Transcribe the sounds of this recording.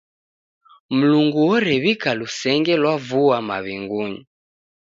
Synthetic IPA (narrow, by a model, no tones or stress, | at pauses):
m̩luŋɡuwɔɾɛβikalusɛŋɡɛlwavuwamaβiŋɡuɲi